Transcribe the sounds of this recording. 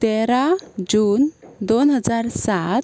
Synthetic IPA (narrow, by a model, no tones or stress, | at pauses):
t̪eɾad͡ʑuːnd̪onɦəd͡zaɾsat̪̚